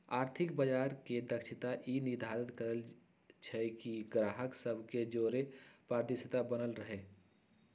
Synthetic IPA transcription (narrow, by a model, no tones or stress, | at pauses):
aːɾt̪ʰɪkbəd͡ʒaːɾked̪əkʃʰɪt̪aʔinid̪ʱaːɾət̪kəɾəl | t͡ʃʰɛkiɡɾaːɦəksəbʱked͡ʒoːɾepɾaːɾd̪ɪsət̪abənəlɾəɦe